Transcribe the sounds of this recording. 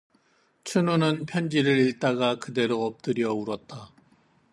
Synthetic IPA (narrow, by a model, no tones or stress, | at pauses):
t͡ɕʰununɯnpʰjʌnd͡ʑiɾɯɾiɭt͈aɡakɯde̞ɾoʌp̚t͈ɯɾjʌuɾʌt̚t͈a